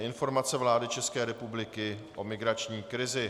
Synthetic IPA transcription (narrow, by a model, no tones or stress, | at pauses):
ʔɪnfo̞ɾmat͡sɛvlaːdɪt͡ʃɛskɛːɾɛpublɪkɪʔo̞mɪɡɾat͡ʃɲiːkɾɪzɪ